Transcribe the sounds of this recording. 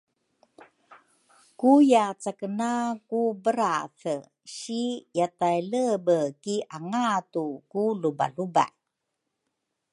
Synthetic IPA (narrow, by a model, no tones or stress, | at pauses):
kujat͡sakənakubəɾaθə | ɕijatajləbəkiʔaŋatukuluba̰luba̰ʔ